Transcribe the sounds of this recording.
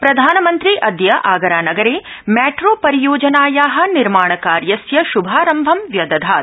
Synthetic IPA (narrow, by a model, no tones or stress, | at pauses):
pɾɐd̪ʱaːnɐmɐnt̪ɾiʔɐd̪jɐʔaːɡɐɾaːnɐɡɐɾeː | mɛːʈɾoːpɐɾijoːd͡ʒɐnaːjaːɦɐ̆niɾmaːɳɐkaːɾjɐsjɐʃubʱaːɾɐmbʱɐmʋjɐd̪ɐd̪ʱaːt̪